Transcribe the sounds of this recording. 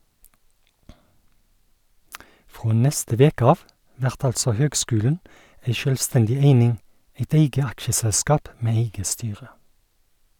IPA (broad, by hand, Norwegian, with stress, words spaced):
ˈfʁoː ˈnɛstə ˈʋeːkə ˈɑːʋ ˈʋæʁt ˈɑlsɔ ˈhøːɡˌskʉːlən ˈæɪ ˈʃœlʋˌstɛndɪ ˈeɪnɪŋ ˈeɪt ˈeɪɡə ˈɑkʃəˌsɛlskɑːp ˈmeː ˈeɪɡə ˈstyːʁə